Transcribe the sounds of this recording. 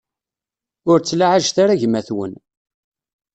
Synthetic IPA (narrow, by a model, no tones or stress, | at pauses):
ʊɾt͡sːlaʕaʒθaɾaʝmæθwə̰n